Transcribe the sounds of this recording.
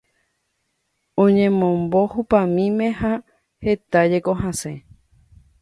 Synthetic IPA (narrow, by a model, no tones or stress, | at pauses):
õɲẽmõmbo̞hupãmĩmẽ̞ha | he̞t̪ad͡ʒe̞koɦãsẽ